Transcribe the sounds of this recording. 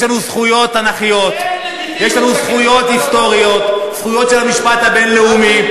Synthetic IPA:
ʃlanusχujo̞t̪anaχijo̞t̪ | jeʃlanusχujo̞t̪hist̪o̞ʁio̞t̪sχujo̞t̪ʃelamiʃpat̪habe̞nle̞umi

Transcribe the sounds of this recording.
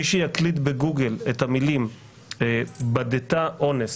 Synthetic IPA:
iʃijaklit̬beɡuɡeletamilim | badetaʔo̞nes

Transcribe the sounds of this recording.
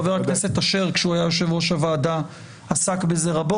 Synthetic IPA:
veʁaknese̞taʃe̞ʁkʃeuajajo̞ʃe̞vʁoʃavaːda | asakbezeʁabo

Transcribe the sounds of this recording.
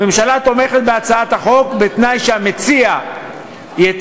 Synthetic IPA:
emʃalat̪o̞me̞χe̞t̪̚beat͡saat̪haχo̞kbet̪najʃeamet͡sia | je

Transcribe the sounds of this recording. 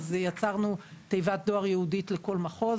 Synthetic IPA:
zjat͡saʁnutejvat̚d̪oaʁjehuditleko̞lmaχo̞

